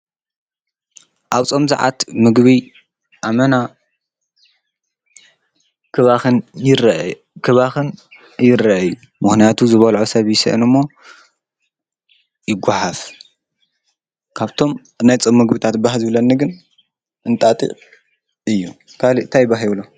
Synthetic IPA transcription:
ʔaβt͡sʼo̞mza̰ʕa̰t̪mɨɡβi | ʔamɐna | kɨβaɨnjɪr | kʰɨβaxɨn | jɪɾɐʔju | mɨxnijat̪ʰuzɨβɐlʕosɐβjɪsɐ̰ʔɨnɨmːo̞ | jɪɡʷːaħaf | kʰaβt̪ʰo̞m | najt͡sʼɐmːɨɡbɨt̪ʰat̪baɦzɨβlɐnːɨɡɨn | ʔɨnt̪ʼat̪ʼḭʔ | ɨjːu | kʰalint̪ʰajbaɦiβɨlo

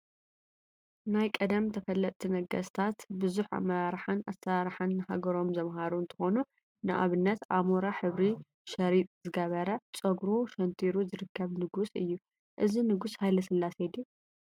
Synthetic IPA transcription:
najkʼɐd̪ɐmt̪ʰɐfɐlːɐt̪ʼt̪ʰːinɐɡɐst̪ʰat̪bɨzuħʔa̰mɐɾaɾħana̰sɐɾaɾħanːɨhaɡɐɾo̞mzɐmɦaɾuɨnt̪ʰɨ̥xo̞nu | nɨʔa̰βɨnːɐt̪ʔamoɾaħɨβɾi | ʃɐɾit̪ʼzɨɡɐβɐɾɐt͡sʼɐɡɾuʃɐnt̪ʰiɾuzɨɾɨkʰːɐβnɨɡusɨjːu | ʔɨzinɨɡushajlɐsɨlːased̪u

